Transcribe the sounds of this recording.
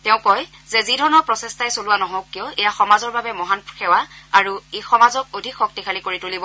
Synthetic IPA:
tɛʊ̃kɔj | zɛzidʱɔɹnɔɹpɹɔsestajsolʊwanɔɦɔ̃wkːijɔɛjaxɔmazɔɹbabɛmɔɦanpxɛwaaɹuexɔmazɔk̚odʱikxɔk̚tikʰalikoɹitulibɔ

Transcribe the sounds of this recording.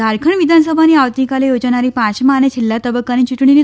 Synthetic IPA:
aɾkʰəɳʋid̪ʱansəbʱaniːaʋt̪ikalejod͡zɳ̃aɾiːpãɕmanet͡ɕʰilːat̪əbəkaniːt͡ɕuʈɳ̃ini

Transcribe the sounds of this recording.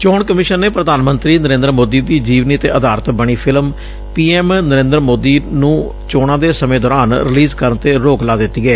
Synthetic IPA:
t͡ʃoːɳkəmɪʃənːeːpɾəd̪aːnmənt̪ɾiːnəɾẽːnd̪əɾmoːd̪iːd̪iːd͡ʒiːʋniːət̪ḛːʔəd̪aːɾət̪bəɳ̃iːpʰɪlm | piːɛːmnəɾẽːnd̪ɾmoːd̪iːnũː | t͡ʃoːɽãːd̪eːsəmẽːd̪ɔːɾaːnɾɪliːzkəɾnt̪eːɾoːklaːd̪ɪt̪ːiːɡɛː

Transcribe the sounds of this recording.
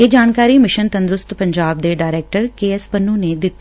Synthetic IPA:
eːd͡ʒaːnkaːɾiːmɪʃənt̪ə̃nd̪ɾʊst̪pəɲd͡ʒaːb̚d̪eːɖaːɪɾɛːk̚ʈəɾkeːɛspənːũːneːd̪ɪt̪ːe

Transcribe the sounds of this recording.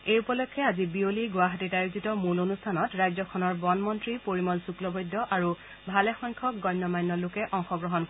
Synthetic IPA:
ejupɔlɔkʰːɛazibioliɡwaɦatitajuzitɔmulonustʰanɔtɹajzɔkʰɔnɔɹbɔnmɔntɹipoɹimɔlsuklɔbɔjdːɔʔaɹu | bʱalɛxɔjŋkʰɔk̚ɡɔjnːɔmajnːɔlʊkɛʔɔŋxɔɡɹɔɦɔnk

